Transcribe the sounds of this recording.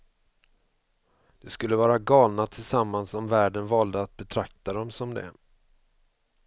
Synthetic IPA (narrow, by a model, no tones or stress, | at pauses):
d̪̥ɛskɵlːəvɑːɾaɡɑːlnat̪ʰɪlsamːansɔmvæːɖənvɑːld̪əat̪̚bɛt̪ʰɾak̚t̪ad̪ɔmsɔmd̪ɛ̰